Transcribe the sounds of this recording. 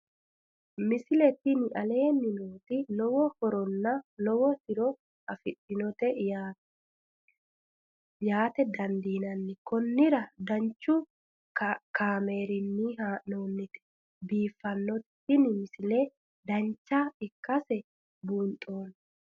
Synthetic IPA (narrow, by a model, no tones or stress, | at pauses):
mɪsɪlɛt̪ːɪnɪʔɐleːnːɪnoːt̪ɪlɔwɔhɔɾɔnːɐlɔwɔt̪ɪɾɔ | ɐfɪtːɪnɔt̪ɛ | jaːt̪ɛd̪ɐnd̪iːnɐnːɪkɔnːɪɾɐd̪ɐnt͡ʃːʊ | kʰaːmeːɾɪnːihanoːnːɪt̪ɛ̥ | biːfːɐnːɔt̪ | ɪnɪmɪsɪle | d̪ɐnt͡ʃːaɪkːɐsɛ | bunt̪ʼːoːn